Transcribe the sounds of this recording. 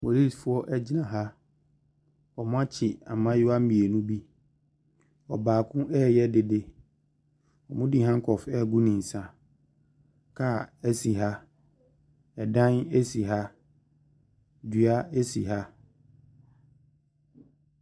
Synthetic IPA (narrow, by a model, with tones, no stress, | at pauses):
mo˨li˦˨sfʊ˦ɔ˦ʔɛ˦d͡ʑi˦nã˨ɦa˦ | ɔ˨m̃˦a˦t͡ɕʰɪ˨a˨mã˦jɪ˦a˦mĩ˨e˨nũ˦bi˦ | ɔ̰˨baː˨kʰʊ̃˦ʔɛ˦jɛ˦dɪ˨de˦ | ɔ˨mʊ̃˦di˦ɦã˦ŋ˦kʰɔ˨fɛ˦˨ɡu˦nĩ˨n̩˨sã˨ | kʰa˦˨ɛ˦si˨ɦa˦ | ɛ˨dã˦ne˦si˨ɦa˦ | dɥa˦e˦si˨ɦa˦